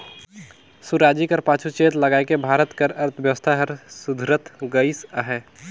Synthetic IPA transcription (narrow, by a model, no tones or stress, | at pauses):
suɾaːd͡ʒikəɾpaːt͡ʃʰut͡ʃeːt̪ləɡaːekebʱaːɾət̪kəɾəɾt̪ʰʋjəʋəst̪ʰaɦəɾsʊd̪ʱɾət̪ʰɡəɪsəɦɛː